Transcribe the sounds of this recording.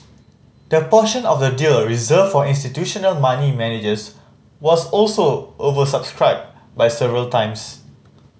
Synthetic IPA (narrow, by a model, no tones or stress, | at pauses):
d̥əpɔʃə̃nɔfdədilɹizəffɔĩnstitjuʃɔnəlmanimɛned͡ʒəs | wɔsɔlsoʔovəsabskɹaɪb̚ | bajsɛvəɹəltãɪ̃ms